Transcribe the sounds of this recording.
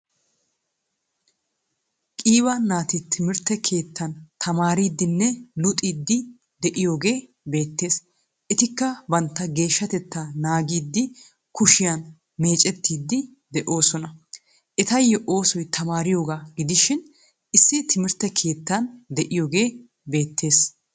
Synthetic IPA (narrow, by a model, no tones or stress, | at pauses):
kʼiːbɐnaːt̪ɪt̪ʰɪmɪɾt̪ːɛkʰe̞ːt̪ːɐnt̪ʰɐmaːɾiːd̪ːɪnːɛlʊt̪ʼiːd̪ːɪ | d̪ɛʔɪjo̞ːɡe̞ː | be̞ːt̪ːe̞ːs | ʔɪt̪ɪkːɐbɐnt̪ːɐɡe̞ːʃːɐt̪ɛt̪ːanaːɡiːd̪ːɪ | kʊʃɪjɐn | me̞ːt͡ʃʼɛt̪ːiːd̪ːɪ | d̪ɛʔo̞ːsɔnɐ | ʔɪt̪ɐjːɔʔo̞ːsɔjt̪ʰɐmaːɾɪjo̞ːɡaːɡɪd̪ɪʃɪn | ɪsːɪt̪ɪmɪɾt̪ːɛkʰe̞ːt̪ːɐnd̪ɛʔɪjo̞ːɡe̞ː | be̞ːt̪ːe̞ːs